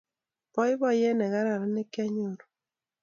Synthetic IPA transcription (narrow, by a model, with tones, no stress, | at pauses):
pɔ˦ɪ˦bɔ˦jɛ˦nɛ˨ɣa˦ɾa˨ɾɛ˦nɛ˦ka˦ɲo˨ɾo˨